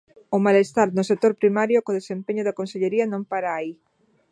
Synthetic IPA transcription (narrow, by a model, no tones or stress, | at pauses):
ʊmalest̪aɾnʊsek̚t̪oɾpɾimaɾjokoðesempeɲʊðɐkonseʎeɾiɐnõŋpaɾaːi